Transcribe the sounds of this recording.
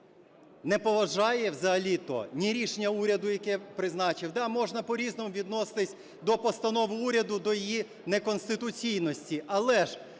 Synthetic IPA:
nɛpɔʋɐʒɑjɛwzɐɦɐlʲit̪ɔ̰nʲiɾʲiʃenʲɐuɾʲɐd̪ʊjɐkɛpɾɪznɑt͡ʃɪwd̪ɑmɔʒnɐpɔɾʲiznɔmʊʋʲid̪nɔsɪ̥t̪ɪsʲ | d̪ɔpɔst̪ɐnɔʋʊuɾʲɐd̪ʊd̪ɔjɔji | nekɔnst̪ɪt̪ʊt͡sʲijnɔsʲtʲiʔɐlˠɛʒ

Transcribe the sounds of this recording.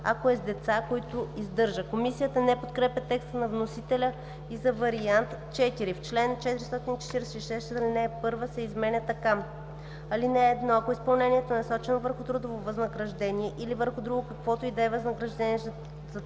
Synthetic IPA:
ɐ̰koɛzd̪ɛt̪sakoit̪ʊizd̪ɤɾʒəkomisijət̪ənɛpot̪kɾɛpʲjɐt̪ɛkst̪ənɐvnosit̪ɛlʲə | izɐvɐɾiant̪t͡ʃɛt̪iɾift͡ʃlɛnt͡ʃɛt̪iɾist̪ɔt̪init͡ʃɛ̥t̪iɾɛsɛiʃɛsst̪ɛɐlinɛːpɤɾvəsɛizmɛnʲɛt̪ɐka | ɐlinɛːd̪nɔɐkoispɐlˠnɛniɛt̪oɛnɐsɔt͡ʃɛnovəɾxʊt̪ɾud̪ovovɐznɐɡɾɐʒd̪ɛniɛʔilivəɾxʊd̪ɾuɡʊkɐkvɔt̪ʊid̪ɛːvɐznəɡɾɐʒd̪ɛniɛ | z

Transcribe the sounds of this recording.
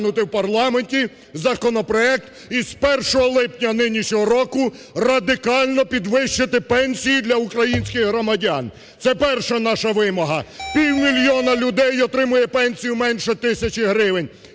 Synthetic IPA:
nʊt̪ɪwpɐrlˠɑmenʲtʲi | zɐkɔnɔpɾɔɛk̚t̪ | iz̥pɛrʃɔɦɔlˠɪpnʲɐnɪnʲiʃɲʲɔɦɔɾɔkʊ | rɐd̪ɪkɑlʲnɔpʲid̪ʋɪʃt͡ʃɪt̪ɪpɛnʲsʲijid̪lʲɐʊkɾɐjinʲsʲkɪɣɦɾɔmɐdʲɑn | t̪sɛpɛrʃɛnɑʃɐʋɪmɔɦɐpʲiwmʲilʲjɔnɐlʲʊd̪ɛjɔt̪ɾɪmʊjɛpɛnʲsʲijʊmɛnʲʃɛt̪ɪsʲɐt͡ʃɪɦɾɪʋenʲ

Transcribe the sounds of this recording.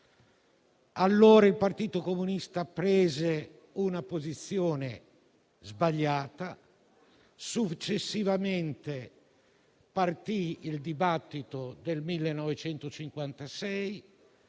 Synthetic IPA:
alːoːɾailpart̪iːt̪okomunist̪apɾɛːze | unapozit̪sːjoːne | zbaʎːaːt̪a | sut͡ʃːesːivament̪e | part̪iild̪ibat̪ːit̪od̪elmilːenːɔvet͡ʃɛnt̪ot͡ʃiŋkwant̪asɛj

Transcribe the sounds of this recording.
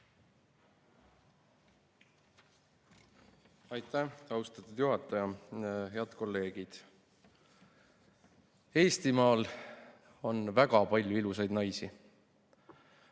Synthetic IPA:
ɑjt̪ˑːæɑwst̪ɑt̪ːˑud̪̥juɦɑt̪ːˑɑjɑɦe̞ɑd̪̥ko̞lːe̞ːɡ̥id̪̥ | e̞ːst̪imɑːl | o̞nvæɡ̥ɑpɑlʲjuilusɑjd̪nɑjsi

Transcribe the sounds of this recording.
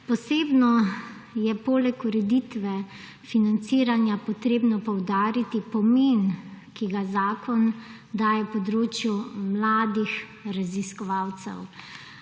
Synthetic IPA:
pɔseːbnɔ | jɛpoːlɛkuɾɛd̪it̪ʋɛ | finant̪siːɾanjapɔt̪ɾeːbnɔpɔwd̪aːɾit̪ipɔmeːnkiɡazaːkʰɔn | d̪aːjɛpɔd̪ɾoːt͡ʃjumlaːd̪ix | ɾaziskɔʋaːwt̪sɛ̰w

